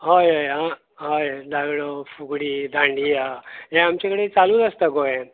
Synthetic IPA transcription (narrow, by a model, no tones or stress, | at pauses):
ɦojɦojɦã | ɦojd̪aɡɽofuɡɽiːd̪ʱãɳɖiːɦaɦẽamt͡ɕakəɽet͡salũːd̪əst̪əɡojẽ